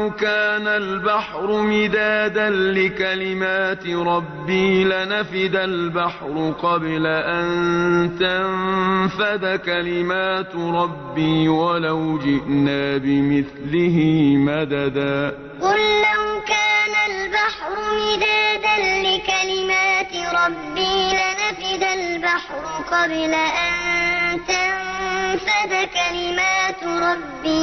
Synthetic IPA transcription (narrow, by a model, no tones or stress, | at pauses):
wkaːnalbaħɾʊmɪd̪aːd̪anlɪkalɪmaːt̪ɪɾˤɑbːiːlɪnafɪd̪albaħɾʊqɑblaʔannt̪amfad̪akalɪmaːt̪ɾˤɑbːiːwalawd͡ʒɪʔnaːbɪmɪθlɪɦɪmad̪ad̪aː | qʊlːahkaːnalbaħɾˤʊmɪd̪aːd̪anlɪkalɪmaːt̪ɾˤɑbːiːlanafɪd̪albaħɾʊqɑblaʔant̪amfad̪akalɪmaːt̪ɾˤɑbːiː